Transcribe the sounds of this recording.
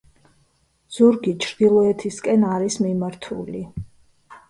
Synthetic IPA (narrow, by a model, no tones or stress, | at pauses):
z̥uɾɡit͡ʃʰɾd̪̥ilˠɔɛt̪ʰiskʼɛnaɾismimaɾt̪ʰṵli